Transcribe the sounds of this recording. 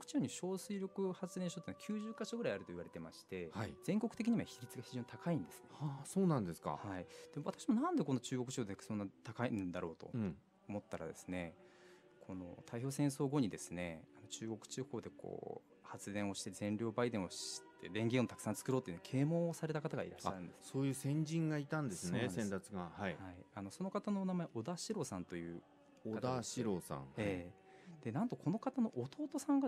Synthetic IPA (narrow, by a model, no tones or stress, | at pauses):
kɯ̟̥t͡ɕioɲ̟iɕo̞ːsɨiɾʲo̞kɯ̟hat͡sɨd̪ẽ̞ɕot̪eːnakʲʰɨːʑɨːkaɕo̞ɡɯɾaiaɾɯ̟t̪oiβaɾe̞t̪e̞maɕi̥t̪e̞aiz̥ẽ̞ŋko̞kɯ̟̥t̪e̞kʲiɲ̟iβaçʲiɾʲit͡sɨɡaçiʑo̞ːɲit̪akaĩnd̪e̞sɨ̥neasoːnãnd̪esɨ̥ka̰haid̪̥e̞moat̪akɕimo̞nãnd̪e̞ko̞nːot͡ɕɨːɡo̞kɯ̟t͡ɕioːd̪ekso̞nːat̪akaiñnd̪aɾo̞ːt̪õ̞̰ | omo̞t̪ːaɾa̰d̪e̞sɨ̥ne̞ | kʰo̞no̞̰t̪ʰaiço̞ːsẽ̞ɰ̃s̬o̞ːɡo̞ɲ̟id̪e̞sɨne̞anot͡ɕɨːɡo̞kɯ̟̥t͡ɕɨho̞ːd̪e̞kʰo̞̰ː | hat͡sɨd̪ẽ̞ɰ̃o̞ɕi̥t̪ezẽ̞nɾʲo̞ːbaid̪ẽ̞ɰ̃o̞ɕi̥t̪ːe̞d̪ẽ̞ŋɡʲeɰ̃o̞t̪ḁkɯ̟̥sãnt͡sɨ̥kɯɾo̞ːt̪oi̟nkʰe̞ːmo̞ːsaɾe̞t̪akat̪aɡaḭɾaɕːaɾɯ̟nd̪e̞ssoːjɯ̟ːsẽ̞ɲ̟d͡ʑĩŋɡait̪ãnd̪e̞sɨnesẽnt̪at͡sɨɡahaihaianoso̞no̞kat̪anoːnamaeʔo̞d̪aɕiɾo̞ːsãnt̪o̞jɯ̟ː | oad̪aɕiɾoːsã̰ŋe̞ː | d̪̥e̞nãnt̪o̞kʰo̞no̞kat̪ano̞ʔːt̪o̞ːt̪o̞sãŋɡa